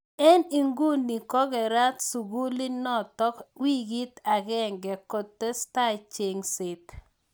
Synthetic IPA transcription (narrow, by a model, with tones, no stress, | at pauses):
ɛ˦ni˨ŋɡu˦ni˨kɔ˦ɡɛ˨ɾa˦t̪su˨ɡu˦li˦nɔ˦t̪ɔ˦kwi˦ɡi˦t̪a˨ɡɛ˦ŋɡɛ˨kɔ˨t̪ːɛ˦sta˦t͡ʃe˨ŋsɪ˨t